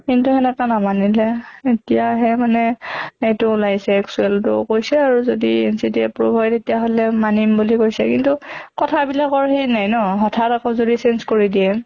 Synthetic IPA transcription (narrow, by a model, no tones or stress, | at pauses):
kintuhɛnɛtanamanilɛetijaɦɛmanɛetʊlajsɛksuɛltʊ̰kojsɛaɹuzodiensidiɛpɹobʱajtetijaɦolɛmanimbulikojsɛ̰kintukɔtʰabilakɔɹɦejnajnɔɦɔtʰatakɔzodisɛnskoɹidiɛ